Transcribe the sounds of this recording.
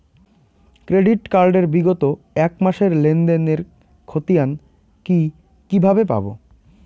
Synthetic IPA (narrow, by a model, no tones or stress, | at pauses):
kɾeɖiʈkaɾɖeɾbiɡot̪o | ɛkmaʃeɾlend̪eneɾ | kʰot̪ijan | ki | kibʱabepa̰bo̰